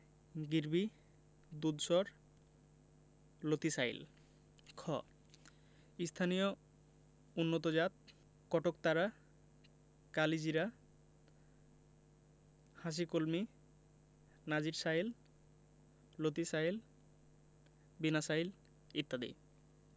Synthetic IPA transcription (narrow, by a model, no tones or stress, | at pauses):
ɡiɾbi | d̪ud̪ʃɔɾ | lot̪isaḭl | kʰɔ̰ | ist̪ʰanijo | unːot̪od͡ʑat̪̚ | kɔʈok̚t̪aɾa | kalid͡ʑiɾa | haʃ̬ikolmi | nad͡ʑiɾsajil | lot̪isail | binasajl | it̪ːad̪ḭ